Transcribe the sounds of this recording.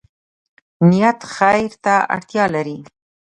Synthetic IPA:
nijat̪xajɾt̪aa̰ɽt̪jɑlaɾi

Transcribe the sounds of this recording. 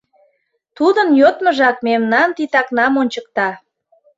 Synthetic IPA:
t̪ud̪ənjot̪məʒɑkmemnɑnt̪it̪ɑknɑmonʲt͡ɕək̚t̪ɑ

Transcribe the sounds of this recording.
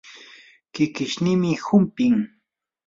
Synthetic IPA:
kɪkɪʃnɪmɪhʊmpɪŋ

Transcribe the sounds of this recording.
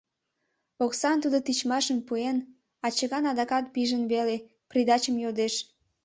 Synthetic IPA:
oksɑnt̪ud̪ot̪it͡ɕmɑʃəmpuen | ɑt͡ɕəɣɑnɑd̪ɑkɑt̪̚piʒənβele | prʲid̪ɑt͡ɕəmjod̪eʃ

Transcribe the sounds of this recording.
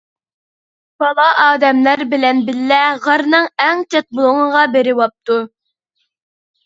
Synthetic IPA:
b̥ɑlˠɑʔɑːd̪ɛmlæɾbɪlɛnbɪlːɛʁɑɾnɨŋɛŋt͡ʃʰɛt̪̚bolˠʊŋəʁɑbeɾɪwɑp̚t̪u

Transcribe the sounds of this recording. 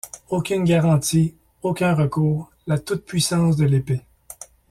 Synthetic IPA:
okʲynɡʲaʁɑ̃t̪i | okʲɛ̃ʁəkuːʁ | lat̪ut̪̚pʰɥisɑ̃sd̪əlepe

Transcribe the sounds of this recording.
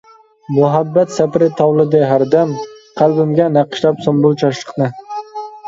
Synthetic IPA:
mʊɦabːat̪sapɾɪt̪ʰɑwlˠɨd̪ɪɦaɾd̪amqʰɑlˠbɪmɡʲanæqɨ̥ʃlapsombʊlˠt͡ʃʰɑʃlˠɨ̥qnɪ

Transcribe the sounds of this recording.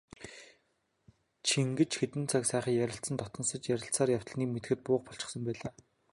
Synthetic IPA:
t͡ɕʰiŋɡɘ̆t͡ɕxet̪ɘ̆nt͡sʰaksæːχiːjæɾʲɪ̆ɬt̪t͡sə̆nt̪ɔt̪ɞ̆nsə̆t͡ɕjæɾʲɪ̆ɬt͡saːrjaw̥t̪ə̆ɮniːkmet̪̆xɘ̆t̪̚pʊːqpɔɬt͡ɕɪ̥̆χsə̆mpæːɮaː

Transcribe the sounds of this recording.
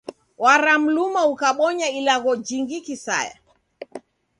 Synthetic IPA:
waɾam̩lumaukaɓɔɲailaɣɔd͡ʒiŋɡikisa̰ja̰

